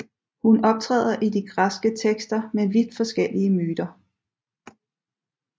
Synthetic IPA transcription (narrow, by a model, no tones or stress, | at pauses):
hunɒ̽b̥̚t͡sʰʁɛ̰ːð̞̰ˠɐʔid̥iɡ̥ʁasɡ̥ət͡sʰeɡ̥sd̥ɐmeʋid̥fɒ̽sɡ̥el̰iəmyːd̥ɐ